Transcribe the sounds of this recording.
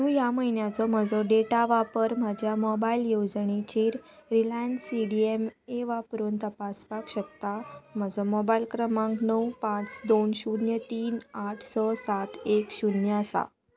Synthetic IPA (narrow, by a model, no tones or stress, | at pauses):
t̪ũjaməinjat͡sɔm̤əd͡zɔɖeʈaʋapəɾm̤ad͡ʑʱjamɔbailjod͡zɳet͡ɕiːɾɾilansiɽiemeʋapɾont̪əpaspakɕək̚t̪am̤əd͡zɔmɔbailkɾəmãŋknəwpãt͡sd̪onɕunjət̪iːnaʈʰsɔsat̪ekɕunjəsa̰